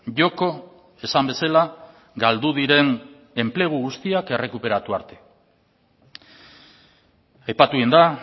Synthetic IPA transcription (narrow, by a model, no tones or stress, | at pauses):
ʝo̞ko̞ | e̞sambe̞sala | ɡald̪uðiɾe̞ŋ | e̞mple̞ɣ̞uɣust̪iake̞re̞kupe̞ɾat̪ua̰ɾt̪e̞̥ | ajpat̪uind̪a